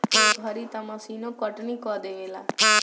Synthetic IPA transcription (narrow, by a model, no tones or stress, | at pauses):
bʱaɾit̪amãsiːnõkɔʈnikɔd̪eelaː